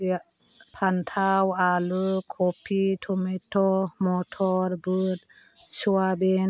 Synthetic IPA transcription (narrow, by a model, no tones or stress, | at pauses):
pʰantʰawalɯkʰɔpʰitʰɔmetʰɔmɔtʰɔɾbɯt | suaben